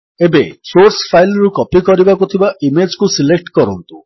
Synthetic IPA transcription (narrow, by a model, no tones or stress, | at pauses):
ebesoɾspʰajlɾukɔpikɔɾibakut̪ʰibaʔimed͡ʒkusilek̚ʈkɔɾɔnt̪u